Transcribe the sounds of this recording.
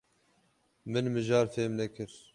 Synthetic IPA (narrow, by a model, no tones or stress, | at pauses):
mɨnmɨʒɑːɾfeːmnɛkɨɾ